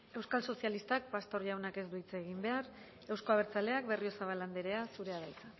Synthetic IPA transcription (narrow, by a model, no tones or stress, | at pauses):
e̞wskalso̞sjalist̪ak̚past̪o̞ɾʎawnake̞zd̪uit͡seːɣimbe̞aɾ | e̞wsko̞aβ̞e̞ɾt͡sale̞ak̚be̞rio̞saβ̞aland̪eɾe̞asuɾe̞aðajt͡sa